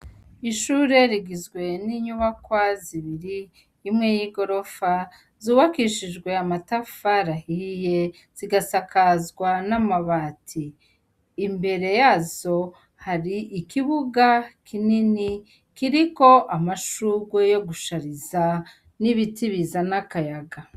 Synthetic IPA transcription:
iʃuːɾe̞ɾiɡizɡwe̞niːɲuβakwaziβiɾiː | mŋe̞jiɡo̞ɾo̞fa | zuːβakiʃid͡ʒɡwe̞amatafaɾahije̞ | z̥iɡasakʰazɡwanamaβaːtʰiː | mbe̞ɾe̞jaːzo̞ | haɾiʔːkiβuɡakʰinini | kiɾiko̞ʔamaʃuɡwejo̞ɡuʃaɾiza | niβitiβizanakajaɡa

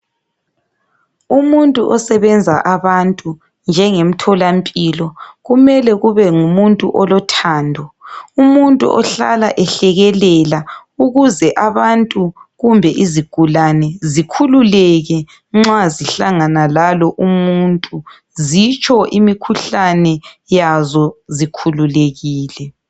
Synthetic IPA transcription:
umuntʼuʔɔsɛβɛnd͡zʱaʔaβantʼu | nd͡ʒʱɛŋem̩tʰɔlampʼilɔɣumɛlɛɣuβɛŋumuntʼuʔɔlɔtʰaːndʱɔumuntʼṵʔɔɬa̰la̰ʔɛɬɛɣɛlɛla | uɣuzɛʔaβantʼuɣumbʱɛʔiziɡ̥ʱulanɛzikʰululɛɣɛ | ŋ͡ǁaziɬaŋanalalɔʔumuntʼu | zit͡ʃʰʼɔʔimikʰuɬanɛjazɔzikʰululeɣiːlɛ

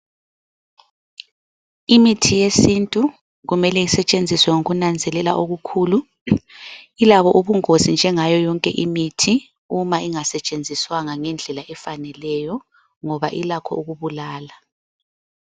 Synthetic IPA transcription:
imitʰijesintʼu | ɣumɛlɛisɛt͡ʃʼend͡zʱiswɛŋuɣunand͡zʱɛlɛlaʔoɣukʰuːlu | ilaβɔʔuβuŋozind͡ʒʱɛŋajɔjɔŋkʼɛʔimitʰi | umaiŋasɛt͡ʃʼend͡zʱiswaŋaŋɛnd͡ɮʱɛlaʔɛfanɛlɛjɔ | ŋɔβa̰ʔilakʰɔ̰uɣuβulaːla

